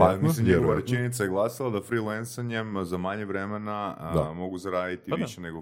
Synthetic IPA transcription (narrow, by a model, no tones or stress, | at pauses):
pamislimɲeɛɡoʋaɾet͡ʃenit̪sajeɡlˠasilˠad̪afɾilensaɲemzamaɲeʋɾemenaamo̞ɡuzaɾaːd̪it̪iʋiʃeneɡo